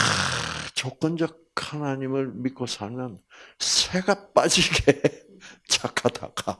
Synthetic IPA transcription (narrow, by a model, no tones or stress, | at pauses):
t͡ɕok͈ɯnd͡ʑʌk̚hanaɲimɯɭmit̚k͈osʰaɭmjʌnsʰeɡap͈ad͡ʑiɡe | t͡ɕakʰada̰ɡa